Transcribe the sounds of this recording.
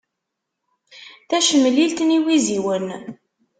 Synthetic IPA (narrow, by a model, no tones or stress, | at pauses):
θæʃəmːlilt̪niwiziwən